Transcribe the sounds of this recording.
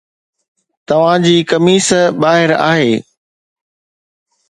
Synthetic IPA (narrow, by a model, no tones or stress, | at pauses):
t̪ɐʋ̤ãd͡ʑiːkɐmiːsəbaːɦɪɾa̰ːɦeː